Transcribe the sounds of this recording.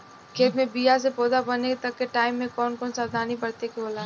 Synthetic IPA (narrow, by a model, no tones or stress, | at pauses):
kʰeːt̪mẽbijas̬epoːd̪abɐnekt̪ɐkːeʈaːɪmːẽkɔːnkɔːnsaɾd̪ʱaːnibɐɽt̪ekeoːlaː